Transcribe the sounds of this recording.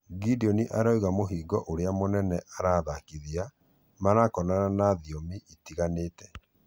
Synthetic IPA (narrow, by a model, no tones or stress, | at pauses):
ɡidiɔniʔaɾɔiɣamoɦiːɡɔʔoɾeamonɛnɛʔaɾaːðakiðia | manakɔnananaðiomiʔitiɣaneːtɛ̥